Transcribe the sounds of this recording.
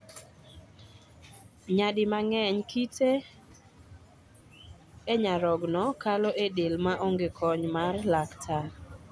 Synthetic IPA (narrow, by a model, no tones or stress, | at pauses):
ɲadɪmaŋɛɲkitʰe | eɲaɾɔɡnɔkalɔʔedelmaʔoŋɡekʰɔɲmarlaktʰa